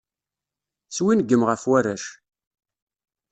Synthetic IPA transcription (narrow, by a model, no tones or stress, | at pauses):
swinɡːəmʁəfwæɾæʃ